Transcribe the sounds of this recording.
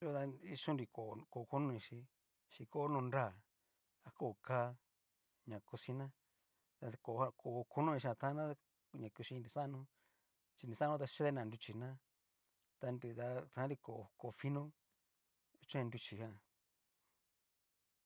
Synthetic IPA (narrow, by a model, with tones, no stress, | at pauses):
jo˦t̪a˧i˧ʃũ˦nɾi˧˨ko˨˧ko˨˧ku˦nũ˦˧ĩ˧ʃi˧ | ʃi˧ko˧˦nõ˧nɾa˦˨ | a˧ko˦˨ka˧ | ɲã˨ku˧si˧nã˦ | t̪a˧ko˨˧ha˧ko˨˧ku˦nũ˦ĩ˧ʃã˧t̪ã˦nã˦˧ | ɲã˨ku˧ʃi˧nɾi˧˨sã˦˧nũ˧ | t͡ʃi˧n˨di˨˧sã˦ũ˦t̪a˧ʃe˦ðe˦nã˨nd̪u˧t͡ʃi˧nã˦ | t̪a˧ndu˧t̪a˧t̪ã˧˦ɾi˧ko˨˧ko˧fi˦nũ˦˧ | t͡ʃã˦˧nd̪u˧t͡ʃi˨˧hã˦˧˨